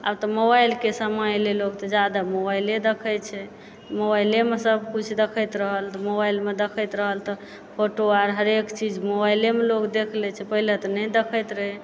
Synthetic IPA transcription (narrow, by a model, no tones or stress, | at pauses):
a̰bt̪ɔmobajlkesəməjlelokt̪ɔd͡ʒad̪amobajled̪ekʰɛt͡ʃʰɛ | mobajlemesəbkut͡ʃʰd̪ekʰəjt̪ɾəɦəlt̪ɔmobajlmed̪ekʰəjt̪ɾəɦəlt̪ɔ | pʰoʈoaɾɦəɾekt͡ʃid͡ʒmobajlemelokd̪ekʰlɛt͡ʃʰɛpəɦilet̪ɔnɛjd̪ekʰəjt̪ɾəɦe